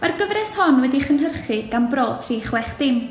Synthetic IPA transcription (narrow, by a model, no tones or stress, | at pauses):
marɡəvrɛshɔnwɛdiχənɦərχɨɡ̥anbroːd̥r̥iːχwɛχd̥ɪm